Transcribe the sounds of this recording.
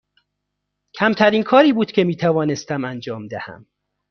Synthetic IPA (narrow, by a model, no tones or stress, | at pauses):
cʰæmt̪ʰæɾiːnkʰɒːɾiːbuːd̪̥cʰʲemiːt̪ʰævɒːnest̪æmænd͡ʒɒːmd̪ehæ̰m